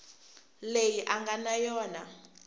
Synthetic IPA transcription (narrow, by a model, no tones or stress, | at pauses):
lejiʔaŋɡanajɔːna